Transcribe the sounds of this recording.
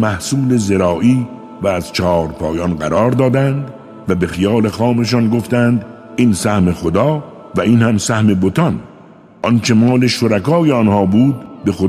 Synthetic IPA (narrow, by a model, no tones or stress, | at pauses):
mæhsuːle̞zeɾɒːʔiː | væːz̥t͡ʃʰɒːɾpʰɒːjɒnɢæɾɒːɾd̪ɒːd̪ænd̪ | væbe̞xijɑːle̞xɒːme̞ʃ̬ɒnɡoft̪ænd̪ | iːnsæhme̞xod̪ɒː | væiːnhæmsæhme̞bot̪ʰɒn | ʔɒnt͡ʃʰe̞mɒːle̞ʃoɾækɒːjeɒnhɒːbuːd̪̚be̞xo